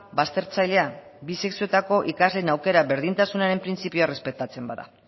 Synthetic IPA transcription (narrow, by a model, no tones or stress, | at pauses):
bast̪e̞ɾt͡sajle̞abise̞ksio̞t̪ako̞ʔikazle̞nawke̞ɾaβe̞ɾðint̪asunaɾe̞mpɾint͡sipioare̞spe̞t̪at͡se̞mbaða̰